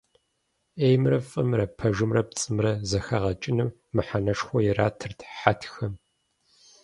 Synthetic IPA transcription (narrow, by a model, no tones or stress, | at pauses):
eːjmrɐfʼɨmrɐpʰɐʒɨmrɐp̚t͡sʼɨmrɐzɐxɐʁɐt͡ʃʼɪnɨmːɨħanɐʂxʷɔjɛraːtʰɨrtʰħatʰxɐm